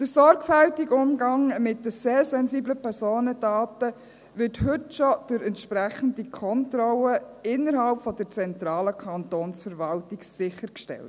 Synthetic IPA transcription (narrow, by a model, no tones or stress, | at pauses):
d̥əsɔɾɡfæltiɡʊmɡɑŋmɪt̚dəseːɾsɛnziːbləpʰɛɾsoːnədaːtə | ʋɪɾthɵtʃɔd̥ʊɾɛntʃpɾæχən̩dikʰɔntrɔlə | ɪnːəɾɦɑlpfɔd̥əɾt͡sɛntɾɑːləkʰɑntoːnsfəɾʋɑltɪɡsɪχəɾkʃtɛ̰lt